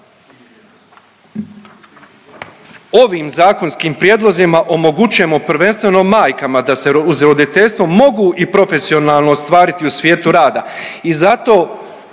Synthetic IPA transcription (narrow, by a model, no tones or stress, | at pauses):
o̞ʋiːmzaːko̞nskiːmpɾjeːd̪lˠo̞zimaʔo̞mo̞ɡut͡ʃuje̞mo̞pɾ̩ʋe̞nst̪ʋe̞no̞maːjkamad̪ase̞uzɾo̞d̪it̪e̞ʎʲst̪ʋo̞mo̞ɡuʔipɾo̞fe̞sio̞naːlˠnoːst̪ʋaːɾit̪iusʋʲje̞ːt̪uɾaːd̪aizat̪o̞ː